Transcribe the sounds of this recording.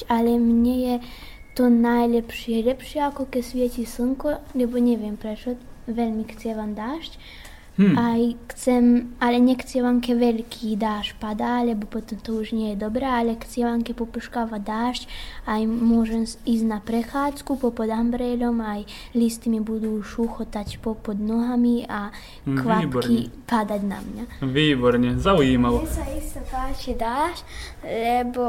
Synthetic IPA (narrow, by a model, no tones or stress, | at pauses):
alɛmɲɛjɛ | t̪ɔnajlɛpʃiɛlɛpʃɪɛakɔkɛsʋjɛcisɨŋkɔlɛbɔɲɛvjɛmpɾɛt͡ʃɔʋɛlmixt͡sɛʋamd̪aːʃc | ajxt͡sɛmalɛɲɛxt͡sɛʋamkɛʋɛlkʰid̪aːʃpad̪alɛbɔpɔt̪ɔmt̪ɔuʒɲɛjɛd̪ɔbɾɛalɛxt͡sɛʋamkɛpɔpuʃkaʋad̪aːʃcajmwɔʒɛmisʲnapɾɛxaːt͡skupɔpɔd̪ambɾɛlʲɔmaj | list̪imibud̪uʃuxɔt̪acʲpɔpɔd̪nɔɦamia | kʋapkipad̪atʲna̰mɲaʋiːbɔɾɲɛzauimalsaist̪ɔt̪aːt͡ʃid̪aːʃlɛbɔ